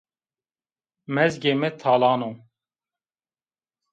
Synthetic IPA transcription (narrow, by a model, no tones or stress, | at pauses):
mɛzɡemɛt̪ʰaːlɑːno